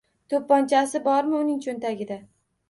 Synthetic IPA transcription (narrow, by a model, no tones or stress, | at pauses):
t̪ʰopːɒnt͡ʃʰasɪbɒɾmɪʊnɪŋt͡ʃʰont̪aɡʲɪd̪a